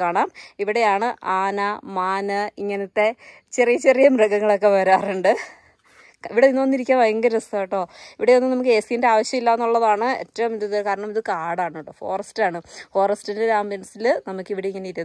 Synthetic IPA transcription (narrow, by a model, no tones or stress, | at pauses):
aːɳaːmiʋiɽe̞jaːɳɨʔaːnɐmaːnɨiŋːɐnɐt̪ːe̞ | t͡ɕerijɐt͡ɕerijɐmrɐɡɐŋːɐɭo̞kːe̞ʋɐɾaːruɳɖɨ | iʋiɽeinːonːiɾikʲːaːmʋɐjɐŋɡɐɾst̪ajiʈːo̞ːiʋiɽeonːɨnɐmuk̬ːɨeːsijnde̞aːʋɐɕjɐmilːaːenːuɭːɐðaːɳɨḛtːɐʋɐmiðiðɨkaːɾɐɳɐmiðɨkaːɽaːɳːuɳɖɨfo̞̰ːrɐstaːɳɨfo̞ːrɐstindeɾaːmbensilnɐmukːiʋiɽeiŋːɐneiɾi